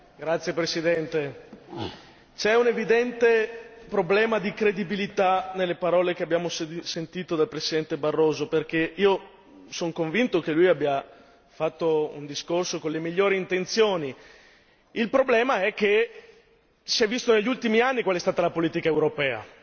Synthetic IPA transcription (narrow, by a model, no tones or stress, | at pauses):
ɡɾat̪sjepɾesid̪ɛnt̪e | t͡ʃɛunevid̪ɛnt̪epɾoblɛːmad̪ikɾed̪ibilit̪anelːepaɾɔːlekeabjaːmossent̪iːt̪od̪alpɾesid̪ɛnt̪ebarːoːzoperkeiːo | soŋkoɱvint̪okelujabːja | fat̪ːoṵnd̪iskorsokonlemiʎːoːɾiint̪ent̪sjoːni | ilpɾoblɛːmaɛk̟ːe | siɛvːist̪oneʎːult̪imianːikwaleɛst̪aːt̪alapoliːt̪ikaewɾopɛːa̰